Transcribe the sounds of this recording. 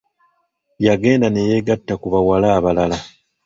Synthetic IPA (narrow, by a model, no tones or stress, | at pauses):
jaɡe̞ːndaneje̞ɡatːakuβawalaːβalala